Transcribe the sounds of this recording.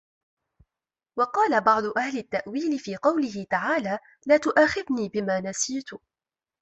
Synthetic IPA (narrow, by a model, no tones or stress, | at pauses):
wɑqɑːlabɑʕd̪ˤʊʔahlɪt̪ːaʔwiːlɪfiːqɑwlɪɦɪt̪aʕaːlaː | laːt̪ʊʔaːxɪðniːbɪmaːnasiːt̪ʊ